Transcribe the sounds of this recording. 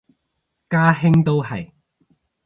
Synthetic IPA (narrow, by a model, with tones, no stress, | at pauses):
kaː˥ɦɪ˥ŋt̪o˥whɐ̰˨j